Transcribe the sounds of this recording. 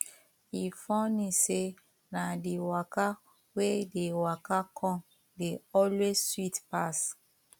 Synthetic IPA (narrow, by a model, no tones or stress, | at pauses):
ifɔ̃nĩse | nadewaka | wedewakakʰɔ̃m | deɔlwezswitpas